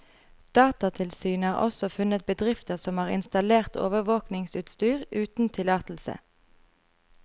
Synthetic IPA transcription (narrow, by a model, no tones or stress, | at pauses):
d̪̥ɑːt̪ɑt̪ʰɪlsyːnhɑːʁʔɔ̰sɔfʉnət̪̚bəd̪ʁɪft̪əʁsɔmhɑːʁɪ̰nst̪ɑleːʁt̪ʰo̰ːʋəʋoːknɪŋsʉːt̪st̪yːʁʉːt̪n̩t̪ʰɪlɑːt̪l̩sə̰